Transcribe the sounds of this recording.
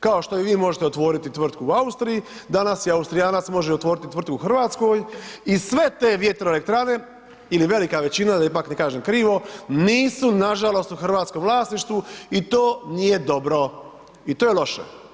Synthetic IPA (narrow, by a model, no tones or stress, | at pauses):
kao̞ʃt̪o̞iʋiːmo̞ʒet̪eo̞t̪ʋo̞ːɾit̪it̪ʋr̩t̪kuuaust̪ɾijid̪anasjiaust̪ɾijaːnat̪smo̞ʒeot̪ʋoːɾit̪it̪ʋrt̪̚kuxr̩ʋaːt̪sko̞ːjisʋe̞t̪e̞ːʋje̞t̪ɾoele̞k̚t̪ɾane̞ | iliʋe̞likaʋe̞t͡ɕinad̪aipaːknekaːʒemkɾiːʋo̞niːsunaʒalo̞st̪uxr̩ʋaːt̪skomʋlˠaːsniʃt̪ʋuit̪oːnije̞d̪o̞bɾo̞ | it̪oːjelˠo̞ʃḛ